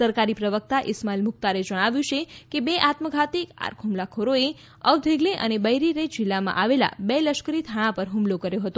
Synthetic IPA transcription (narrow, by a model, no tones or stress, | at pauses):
səɾkaɾipɾəʋək̚t̪aʔɪsmalmʊk̚t̪aɾed͡ʒəɽ̃aʋjũt͡ʃʰekebeʔat̪məɡʱat̪ika̰ɾkʰumlakʰoɾoe | əʋd̪ʱeɡleʔə̰nebəjɾiɾed͡ʒɪlːamã̰ʔaʋela̰beləʃkəɾit̪ʰaɽ̃ãpəɾɦumlokəɾjoɦət̪o